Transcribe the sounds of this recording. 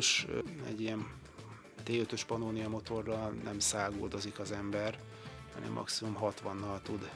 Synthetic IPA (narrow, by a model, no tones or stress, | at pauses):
ʃɛ̰ɟːijɛn | t̪eːøt̪ø̞ʃpɒnoːnijɒmo̞t̪o̞rːɒlnʔɛ̰msaːɡo̰ːd̪o̞zikɒzɛmbɛr | hɒ̰nɛ̰mːɒ̰ksimumɦɒt̪ʋɒnːɒlt̪ud̪